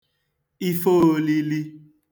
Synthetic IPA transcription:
i˦fo˦˨li˦li˦

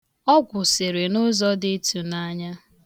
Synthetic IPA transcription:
ɔ˦ɡʷʊ˨se˨ɾe˨nʊ˦zɔ˦dɪ˦tu˨na˦ɲa˦

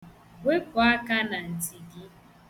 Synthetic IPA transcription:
we˦kʷɔ˨a˦ka˦na˨n̩˨ti˨ɡɪ˦

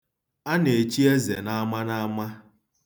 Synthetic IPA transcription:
a˦ne˨t͡ʃi˦e˦zḛ˨na˦ma˦na˦ma˦

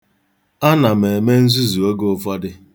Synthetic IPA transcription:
a˦na˨me˨me˦n̩˦zu˦zu˨o˦ɡo˦fɔ˦dɪ˦

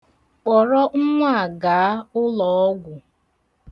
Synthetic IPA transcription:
k͡pɔ˨ɾɔ˦ŋ̩˦ŋʷa˦a˨ɡa˨a˦ʊ˦lɔ˨ɔ˦ɡʷʊ˨

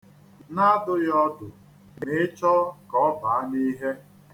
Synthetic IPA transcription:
na˦dʊ˦jɔ˦dʊ˨ | ne˦t͡ʃɔ˦kɔ˦ba˨a˦ni˦ɦe˦

